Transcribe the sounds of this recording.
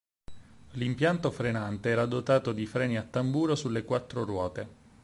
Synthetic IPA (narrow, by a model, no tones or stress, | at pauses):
limpjant̪ofɾenant̪eɛːɾad̪ot̪aːt̪od̪ifɾɛːniat̪ːambuːɾosulːekwat̪ːɾorwɔːt̪e